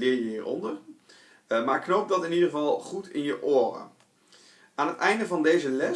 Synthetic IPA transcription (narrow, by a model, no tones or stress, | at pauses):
lɪːɹjəɦiːɹɔ̰ndər | maːɹknowp̚dɑtɪnidəχəvɑlˠχutɪnjəʔoːrə̰ | aːnɦətɛjndəvɑndejzəlɛ